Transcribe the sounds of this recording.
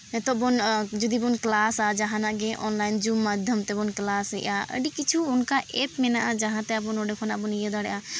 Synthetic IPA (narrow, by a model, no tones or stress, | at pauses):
t̪ɔbɔnd͡ʒud̪ibɔnklasad͡ʒaɦãnaʔɡɛ̃ʔɔnlajnd͡ʒumːad̪ʱəmt̪ɛbɔnklasɛʔaə̰ɖikit͡ʃʰuːnkaʔɛpmɛnaʔad͡ʒaɦãt̪ɛəp̬ɔnoɖekʰɔnapɔnijɛd̪aɽɛ̰ʔa